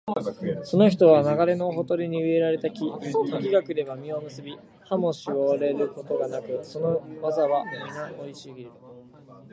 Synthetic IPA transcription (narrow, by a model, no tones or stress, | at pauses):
so̞no̞çi̥t̪o̞βanaɡaɾe̞no̞ɦo̞t̪o̞ɾʲiɲ̟iɯ̟e̞ɾaɾe̞t̪akʲit̪okʲiɡakɯ̟d̪e̞βamʲio̞mɯ̟sɨbʲi | hamo̞ɕiɡoɾe̞ɾɯ̟ko̞t̪o̞ɡanakɯ̟so̞no̞mazaβamʲinaoiɕiɡʲiɾɯ